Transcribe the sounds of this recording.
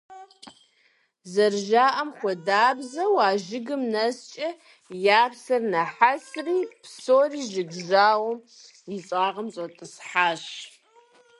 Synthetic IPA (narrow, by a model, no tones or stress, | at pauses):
zɐrʒaːʔɐmχʷɔdaːbzɐwaːʒɪɡɨmnɐst͡ʃʼɐ | jaːpsɐrnɐħasriːpsoːriːʒɪɡʒaːwɐm | iɕʼaːʁɐmɕʼɐtʼɨsħaːɕ